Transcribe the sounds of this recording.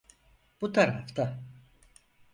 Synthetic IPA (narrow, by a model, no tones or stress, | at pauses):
b̥ut̪ʰaɾa̰ft̪ʰa